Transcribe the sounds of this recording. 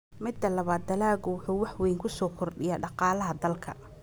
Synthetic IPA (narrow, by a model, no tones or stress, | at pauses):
mɪd̪ɐlɐβaːd̪ːɐlaːɣʊwʊħuːwɑħwɛjŋkʰʊsɔːkʰʊrɖɪjaːɖɑqɑːlɐɦɐd̪ɐlkʰɐ̰